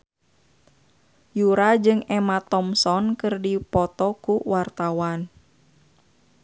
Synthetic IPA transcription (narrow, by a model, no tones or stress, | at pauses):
juɾad͡ʒɨŋɛmat̪ɔmsɔnkɨrdipɔt̪ɔkuwart̪awan